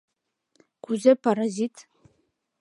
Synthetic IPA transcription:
kʷʰuzɨpʰaɾazitʼ

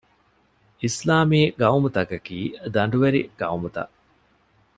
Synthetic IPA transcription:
islaːmiːɡɐumut̪ɐkɐkiːd̪ɐɳ̆ɖuʋeɾiɡ̥ɐwumut̪ɐ̰ʔ

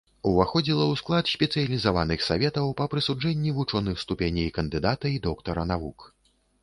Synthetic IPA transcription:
uvaxɔd͡zʲilˠɐwsklˠat̪sʲpʲɛt̪sɨjɐlʲizavanɨxsavʲɛt̪ɐwpɐpɾɨsud͡ʐɛnʲːivut͡ʂɔnɨxst̪upʲenʲɐjkɐnd̪ɨd̪at̪ɐid̪ɔkt̪ɐɾɐnavuk

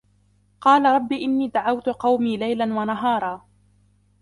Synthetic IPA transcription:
qɑːlaɾˤɑbːiːʔɪnːiːd̪aʕawt̪ʊqɑwmiːlajlanwanaɦɑːɾˤɑː

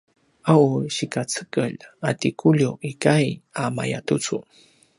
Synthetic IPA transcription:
ʔawɕikat͡səkəʎatikʰuʎjuʔikajama̰ja̰tut͡su

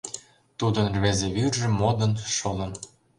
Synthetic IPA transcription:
t̪ud̪ənrβezeβyrʒĕmːod̪ənʃolə̆n

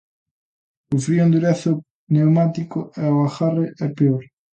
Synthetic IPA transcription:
ʊfɾiõnd̪uɾaθʊ | newmat̪ikʊɛoaxareɛpeoɾ

